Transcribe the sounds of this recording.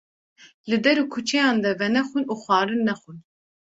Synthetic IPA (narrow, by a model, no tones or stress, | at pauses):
lɨd̪ɛɾukʰut͡ʃʰɛjɑːnd̪ɛvɛnɛxunuːxʷɑːɾɨnːɛxun